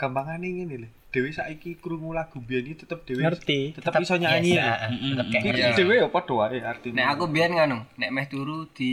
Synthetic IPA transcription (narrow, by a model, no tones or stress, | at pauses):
ɡ̥ambaŋaneŋinelɛhd̥e̤wesaʔikikɾuŋulaɡ̥ṳbianiit̪ət̪əp̚d̥e̤weərt̪it̪ət̪apapisɔɲaɲia | id̥ewejɔpɔd̥o̤waeart̪inɛakubianŋanʊŋnɛʔmɛht̪uɾud̪̥i